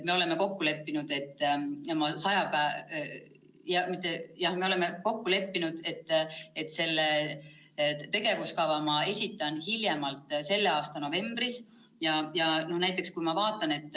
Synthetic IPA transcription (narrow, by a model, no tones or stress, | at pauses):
t̪me̞o̞le̞me̞ko̞kːule̞pːinud̪̥e̞t̪ːˑemɑsɑjɑpæː | jɑmit̪ːˑejɑhme̞o̞le̞me̞ko̞kːule̞pːinud̪̥e̞t̪ːˑet̪ːˑse̞lːe | t̪e̞ɡ̥e̞vuskɑvɑmɑe̞sʲit̪ːˑɑnhiljemɑlt̪ˑse̞lːe̞ɑːst̪ɑno̞ve̞mb̥ris | jɑjɑno̞hnæjt̪ˑːe̞kskujmɑvɑːt̪ːˑɑne̞t̪ːˑ